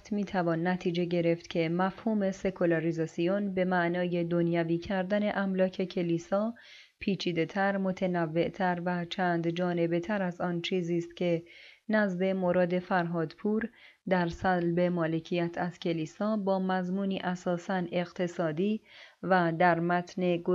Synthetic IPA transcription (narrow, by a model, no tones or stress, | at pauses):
t̪ʰmiːt̪ʰævɒnːæt̪ʰiːd͡ʒe̞ɟe̞ɾe̞ft̪cʰe̞mæfhuːme̞se̞kʰolɑɾizɒːsijonbe̞mæʔnɒːje̞d̪o̞njæviːcʰæɾd̪æne̞ʔæmlɒːcʰe̞cʰe̞liːsɒː | pʰiːt͡ʃʰiːd̪e̞t̪ʰæɾmo̞t̪ʰenævːe̞ʔt̪ʰæɾvæt͡ʃʰænd̪d͡ʒɒːne̞be̞t̪ʰæɾæzɒːnt͡ʃʰiːziːst̪̚cʲʰe̞næzbe̞mo̞ɾɒːd̪e̞fæɾɦɒːd̪pʰuːɾ | d̪æɾsælbe̞mɒːle̞cʰijæt̪ʰæz̥cʲʰe̞liːsɒːbɒːmæzmuːniːʔæsɒːsæne̞ɣt̪ʰe̞sɒːd̪iːvæd̪æɾmæt̪ʰne̞ɡo